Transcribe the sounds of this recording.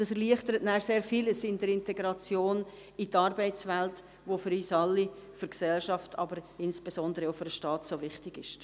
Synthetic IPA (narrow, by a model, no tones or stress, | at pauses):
d̥ɑsɛɾliəχtəɾətnæːɾseːɾfiːləsɪndəɾɪnteɡɾɑt͡sjoːn | itɑrbɛɪt͡svɛlt | ʋofyɾyːsɑlːifyɾksɛlʃɑftʰɑ̰bəɾɪnsb̥esɔndəɾəoʊfyɾdəʃtɑːtsoːvɪχtɪɡɪʃ